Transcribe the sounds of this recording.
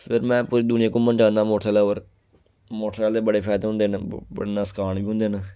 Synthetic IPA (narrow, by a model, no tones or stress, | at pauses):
pʰɪɾmɛ̃ːpuːɾiːd̪ʊnɪjãːkũːmənd͡ʒaːnːãːmoːʈʰɾaːlaːoɾ | moːʈʰaːld̪eːbəɽeːpʰɛːd̪ɦʊ̃nd̪eːnbə̰ɽenasə̥kʰaːɳbiːɦʊ̃nd̪eːn